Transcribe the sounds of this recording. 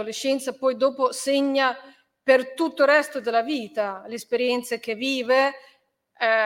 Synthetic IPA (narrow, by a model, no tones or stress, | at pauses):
oleʃːɛnt̪sapɔjd̪oːposeɲːa | pert̪ut̪ːorɛst̪od̪elaviːt̪alespeɾjɛnt̪sek̟eviːve